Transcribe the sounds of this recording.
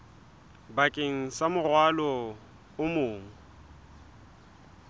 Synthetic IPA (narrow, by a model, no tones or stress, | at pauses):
bakʼeŋ̩samʊrwalɔ | ʊmʊːŋ̩